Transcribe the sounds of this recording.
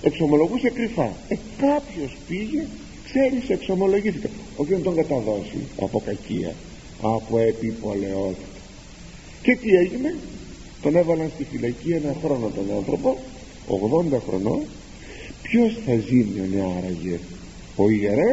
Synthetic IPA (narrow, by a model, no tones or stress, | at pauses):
e̞kso̞mo̞lo̞ɣusekɾifɐekɐpço̞spiʝe̞ | kse̞ɾisekso̞mo̞lo̞ʝiθikɐ | ocinɐt̪o̞ŋɡɐt̪ɐðo̞sḭɐ̰po̞kɐcḭɐ̰ | ɐpoepipo̞le̞o̞t̪i̥t̪ɐ̥ | ce̞t̪ie̞ʝine̞ | t̪o̞ne̞vɐlɐnst̪ifilɐcienɐxɾo̞no̞t̪onɐnθɾo̞po | o̰ɣðo̞nd̪ɐxɾo̞̰no̞̰ | pço̞sθɐzimioneɐɾɐʝe̞ | o̞ieɾe